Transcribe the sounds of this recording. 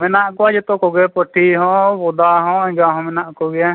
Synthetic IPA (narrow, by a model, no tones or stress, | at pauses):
mɛnaʔkɔwad͡ʒɛt̪ɔkɔɡɛpɔʈʰiɦɔ̃bɔd̪aɦɔ̃ɛ̃ɡaɦɔ̃mɛnaʔkɔɡɛja